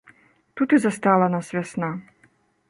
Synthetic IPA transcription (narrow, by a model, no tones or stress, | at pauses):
t̪ut̪ɨzast̪alˠɐnasʲvʲasna